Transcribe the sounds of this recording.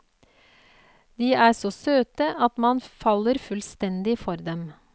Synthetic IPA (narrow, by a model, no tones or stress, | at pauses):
d̪iːæːsoːsøːt̪əʔɑt̪mɑnfɑlːəɾfʉlst̪ɛnd̪ɪfɔɾd̪ɛm